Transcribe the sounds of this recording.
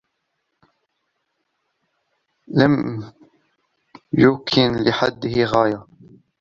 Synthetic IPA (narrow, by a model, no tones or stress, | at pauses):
lam | jʊmkʰɪnlɪħad̪ːɪhɪɣaːja